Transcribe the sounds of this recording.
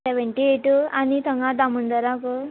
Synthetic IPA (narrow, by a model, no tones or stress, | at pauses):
eʋəɳʈieʈuanit̪ʰəŋɡãd̪amund̪əɾakə